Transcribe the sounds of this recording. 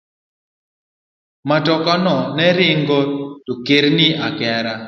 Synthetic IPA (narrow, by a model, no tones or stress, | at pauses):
matɔkanɔnɛɾɪŋɡɔtokeɾnɪakɛɾa